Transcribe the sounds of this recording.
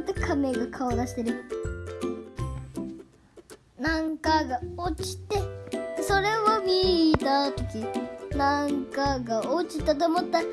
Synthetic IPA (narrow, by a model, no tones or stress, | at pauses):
t̪ːokʰame̞ɡakʰaod̪aɕi̥t̪e̞ɾɯ̟ | nãŋkaɡaot͡ɕi̥t̪e̞so̞ɾe̞βomʲit̪at̪o̞kʲinãŋkaɡaʔot͡ɕit̪ːat̪̬oːmot̪ːa